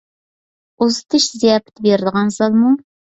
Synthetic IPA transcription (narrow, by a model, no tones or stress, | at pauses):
uzɨt̪ʰɨʃzijɑpʰɪ̥t̪ʰɪbeɾd̪əʁɑnzɑlˠmu